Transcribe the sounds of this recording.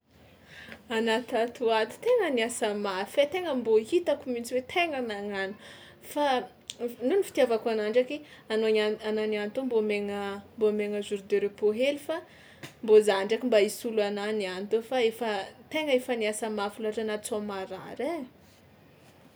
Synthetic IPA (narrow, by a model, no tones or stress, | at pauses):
anat̪at̪uat̪i̥t̪eŋəniasəmafat̪eŋəmboit̪akumint͡siwet̪ʰeŋənaŋanu̥ | fa | nunifi̥t̪iavakanaɳɖ͡ʐakianoaanananit̪ombomeŋəmbomeŋəzuɾd̪eɾepoɦelifa | mbozaɳɖ͡ʐakimbaisuluananianit̪ofaefət̪eŋəefəniasəmafilaʈ͡ʂanat͡samaɾa̰ɾe